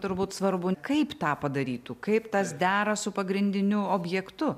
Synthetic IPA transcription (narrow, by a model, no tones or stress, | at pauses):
t̪ʊɾbuːt̪sʋɐɾbʊkɐɪpt̪ɑːpɐd̪ɐɾʲiːt̪uːkɐɪpt̪ɐsd̪ʲæːɾɐsʊpɐɡɾʲɪnʲd̪ʲɪnʲʊoːbʲjɛkt̪ʊ